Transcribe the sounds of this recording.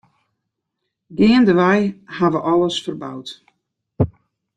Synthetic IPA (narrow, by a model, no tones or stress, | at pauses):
ɡɪəndəʋajhaʋəʔɔləsfərba̰wt